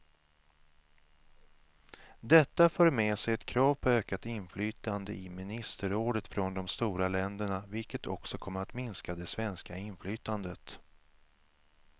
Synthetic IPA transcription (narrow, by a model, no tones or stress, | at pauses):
d̪ɛt̪ːaføːɾmeːsɛjɛt̪kʰɾɑːvpʰɔøːkat̪ɪnflyːt̪and̪əʔɪmɪnɪst̪əɾoːd̪ət̪fɾɔnd̪ɔmst̪uːɾalɛnd̪əɳavɪlkət̪ʰɔksɔkʰɔmːəɾat̪mɪnskad̪ɛsvɛnskaɪnflyːt̪and̪ət̪